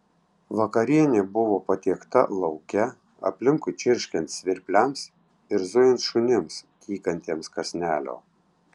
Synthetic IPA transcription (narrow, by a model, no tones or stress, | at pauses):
ʋɐkɐɾʲiɛnʲeːbʊʋoːpɐt̪ʲiɛkt̪ɐ̰lˠɒʊkʲɛ | ɐ̰pʲlʲɪŋkʊɪt͡ʃʲɪɾʲʃʲkʲɛnt̪sʲʋʲɪɾʲpʲlʲɛms | ɪɾzʊjɪnt̪ʃʊnʲɪmskʲʰiːkɐnʲt̪ʲiɛmskɐsʲnʲæːlʲo̰ː